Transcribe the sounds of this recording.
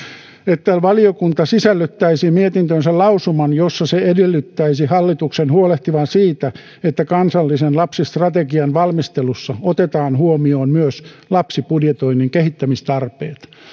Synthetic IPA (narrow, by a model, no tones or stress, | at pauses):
et̪ːæʋɑliokunt̪ɑsisælːyt̪ːæisimiet̪int̪ønsellɑusumɑnjosːɑseedelːyt̪ːæisihɑlːit̪uksenhuoleht̪iʋɑnsiːt̪æ | et̪ːækɑnsɑlːisenlɑpsist̪rɑt̪eɡiɑnʋɑlmist̪elusːɑot̪et̪ɑːnhuomioːnmyøslɑpsipudjet̪oinːiŋkehit̪ːæmist̪ɑrpeːt̪